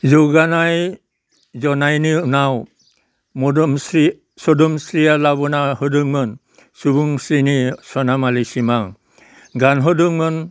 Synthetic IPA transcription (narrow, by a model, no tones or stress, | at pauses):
zuɡanaj | zɔnajninaw | mɔdɔmsi | sɔdɔmsɾialaβɔnaɦɔduŋmən | subuŋsɾinisɔnamalisimaŋ | ɡanɦɔduŋmən